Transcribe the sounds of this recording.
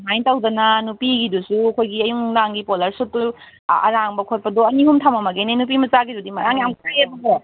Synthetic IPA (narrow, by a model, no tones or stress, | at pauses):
majntawdɐnɐnupiɡidusuɐkʰojɡiɐjuŋdaŋɡipolɐɾsutu | ɐ̰ɾaŋbɐkʰot̚pɐdɔɐniɦumtʰamɐmaɡeninup̬imɐt͡ʃaɡidudimɐɾaŋiaŋʰtaebɐɡe